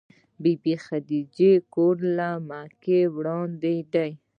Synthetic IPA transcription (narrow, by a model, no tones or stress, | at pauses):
bibixad̪id͡ʒekoɾlamakewɽɑnd̪eɖ̪aj